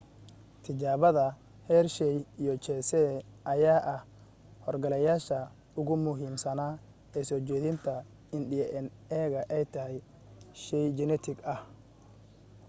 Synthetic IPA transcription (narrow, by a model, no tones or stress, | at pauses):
t̪ʰɪt͡ʃaːβɐðɐ | hɛːrʃɛjijɔt͡ʃɛsɛʔɐjaːʔɐh | hɔrɡɐlɛjaːʃɐ | ʊɣʊmʊɦiːmsɐnaː | ɛːsɔrt͡ʃɛːðɪnt̪ʰɐ | ɪndɪjʔɛnɛːɣɐʔɛjt̪ʰɐɦɛj | ʃɛjd͡ʒɛnɛt̪ʰɪɡɐh